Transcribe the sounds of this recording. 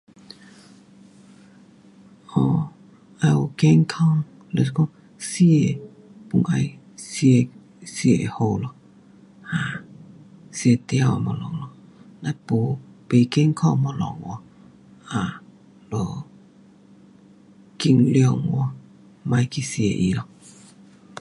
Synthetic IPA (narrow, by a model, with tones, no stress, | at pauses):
ʔɔ˧˨ | ʔa˧ɔ˨˧ke˧˨ŋkʰa˧˨ŋ | le˧˨skɔ˧˦ | si˧˨e˨ | pu˧˨ŋʔa˧j | si˧ | si˧e˨ho˧wlɔ˧˨ | ha˧˨ | si˧e˧˨t̪ɛ˧a˧wa̰˨mɔ˧lɔ˧˨ŋlɔ˧na˧˨po˨˧˦pe˧˨ke˧˥˨ŋkʰa˥˧˨mɔ˧lɔ̰˨˧˨ŋwɔ˧˦ | ʔa˨ | lɔ˧˨ | ki˧˨ŋli˧˨ŋwɔ˧˦ | ma˧jkʰi˧˨si˧˨ḛ˧˨ʔḭ˧˨lɔ˧